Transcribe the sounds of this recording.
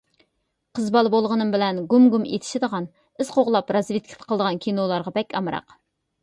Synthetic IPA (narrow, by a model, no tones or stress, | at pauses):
qʰəzbɑlˠbolˠʁənɨmbɪlɛnɡumɡumḛt̪ʰɪ̥ʃid̪əʁɑn | ɪz̥qʰoʁlˠɑpɾɑzvet̪̚kʲʰi̥t̪ʰqʰlˠd̪əʁɑnkʲʰinolˠɑɾʁɑbɛkʲɑmɾɑ̰q